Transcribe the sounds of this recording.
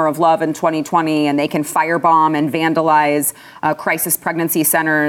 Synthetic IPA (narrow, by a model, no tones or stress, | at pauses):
ə˞ʌvlʌvɨ̃ntʰw̥ɛ̃ɾ̃itʰw̥ɛ̃ɾ̃iɨ̃nðeɪkɨ̃nfaɪə˞bɑ̃mɨ̃nvæ̃ndəlaɪz̥ | kʰɹ̥aɪsɨspʰɹ̥ɛɡ̚nɨ̃nsisɛ̃ɾ̃ə˞